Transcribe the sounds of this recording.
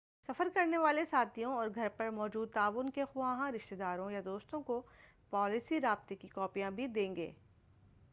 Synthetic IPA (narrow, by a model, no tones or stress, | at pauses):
sɐfəɾkɐɾneʋaːlesaːt̪ʰijõɔːɾɡʱɐɾpɐɾmɔːd͡ʒuːd̪̚t̪aːʋʊnkexʊãːɦãɾɪʃt̪ed̪aːɾõjad̪oːst̪õko | pɔːlɪsiɾaːb̚t̪ekikɔːpijãbʱid̪ẽːŋɡḛː